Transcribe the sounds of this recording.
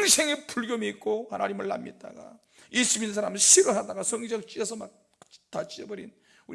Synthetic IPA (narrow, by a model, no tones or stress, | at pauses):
ŋsʰeŋepuɭɡjomiːk͈ohanaɲimɯɭːa̰mjet̚t͈a̰ɡa̰ | iɕ͈ʰiminɯnsʰaɾamɯnɕʰiɾoɦadaɡasʰʌŋid͡ʑʌk̚t͡ɕ͈iesʰʌmak̚ | tat͡ɕ͈iebʌɾḭn | uɾ